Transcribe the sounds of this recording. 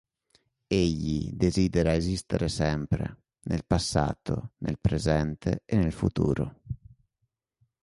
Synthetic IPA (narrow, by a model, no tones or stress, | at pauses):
eʎːḭd̪eziːd̪ɛɾaezist̪eɾesɛmpɾḛ | nʔelpasːa̰ːt̪o̰nḛlpɾezɛnt̪ḛɛnːelfut̪ṵːɾo